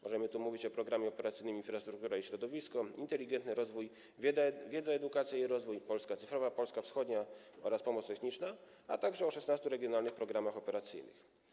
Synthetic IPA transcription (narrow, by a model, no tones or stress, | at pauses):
mɔʐɛmɘt̪umuvʲit͡ɕɔpɾɔɡɾamʲjɛɔpɛɾat̪sɘjnɘminfɾast̪ɾukt̪uɾaiɕɾɔd̪ɔvʲiskɔint̪ɛlʲiɡɛnt̪nɘɾɔzvuj | vʲjɛd̪zaɛd̪ukat̪sʲjaiɾɔzvujpɔlskat̪sɘfɾɔvapɔlskafsxɔd̪ɲaɔɾaspɔmɔt̪st̪ɛxɲit͡ʂna | a̰t̪aɡʐɛɔʂɛsnast̪uɾɛɡʲjɔnalnɘxpɾɔɡɾamaxɔpɛɾat̪sɘ̰jnɘ̰x